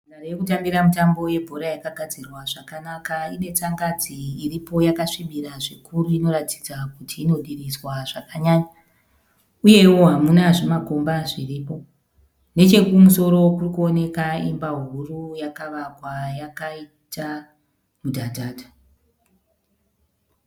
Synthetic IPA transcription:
narejekutambiɾamutambo̞je̞bʱo̞ɾajakaɡʱad͡zirwaʐakanakaine̞t͡saŋɡad͡ziiripo̞jakaʂiɓiɾaʐikuɾuino̞ɾati̥d͡zakutʰiːno̞ɗiriswaʐ̥akaɲaːɲa | uje̞woɦamunaʐimako̞mbaʐiriːpo̞ | ne̞t͡ʃe̞kumuso̞ɾo̞kurikuo̞ne̞kaimbaɦurujakaʋakwajakai | ta | mudʱadʱaːdʱa

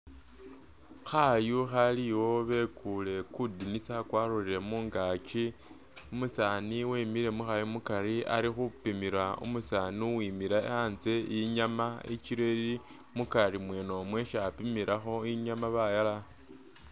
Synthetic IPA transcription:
xajuxaliwo̞βe̞kule̞kudinisakwaɾuɾiɾe̞muːŋɡat͡ʃi | umusaːniwimiɾe̞muxajumukaɾia̰ɾixupimiɾaṵmusaːnuwimiɾaḛanzeiɲamait͡ʃiɾeɾi | mukaɾimweno̞mwe̞ʃapimiɾʔaxo̞iɲamaβajala

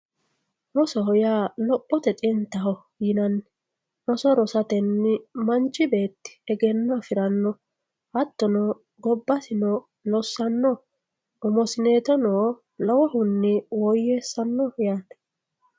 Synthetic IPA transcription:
ɾɔsɔɦɔjaːlɔpʼːɔt̪ɛt̪ʼɪnt̪ːɐɦɔ | jɪnɐnː | ɾɔsɔɾɔsɐt̪ɛnːɪmɐnt͡ʃʼːɪbe̞ːt̪ːɪ̥ɛɡɛnːɐfɪɾɐnːɔ | hɐt̪ːɔnɔ | ɡɔbːɐsɪnɔ | lɔsːɐnːɔ | ʊmɔsɪneːt̪ɔnoː | lɔwɔhʊnːɪwɔjːeːsɐnːɔjaːt̪ɛ̥

